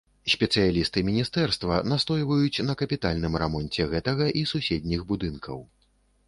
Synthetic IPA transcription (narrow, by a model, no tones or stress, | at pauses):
sʲpʲɛt̪sɨjalʲist̪ɨmʲinʲist̪ɛrst̪vɐnast̪ɔjvɐjut͡sʲnɐkɐpʲit̪alʲnɨmɾamɔnʲt͡sʲɛɣɛt̪ɐɣɐʔisusʲed̪ʲnʲiɣbud̪ɨnkʰɐ̰w